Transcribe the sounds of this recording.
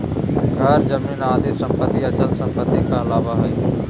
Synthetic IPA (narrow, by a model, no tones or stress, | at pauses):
ɡʱəɾd͡ʒəmiːnaːd̪esə̃mpət̪ːijat͡ʃəlsəmpət̪ːikaəlaːʋaɦɛj